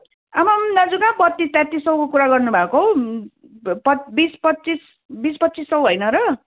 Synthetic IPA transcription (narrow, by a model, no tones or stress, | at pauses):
amʌmnʌd͡zukabʌt̪ːist̪jãt̪ːisʌw̃kokuɾaɡʌrnubʱakoɦo | pʌbispʌt͡sis | bispʌt̪ːt͡sisʌwɦʌjnʌɾʌ